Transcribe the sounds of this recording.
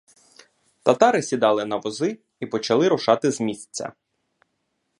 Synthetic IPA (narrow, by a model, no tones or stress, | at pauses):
t̪ɐt̪ɑɾɪsʲid̪ɑlˠɪnɐʋɔzɪ | ipɔt͡ʃɐlˠɪɾʊʃɑt̪ɪzmʲisʲt͡sʲːɐ̰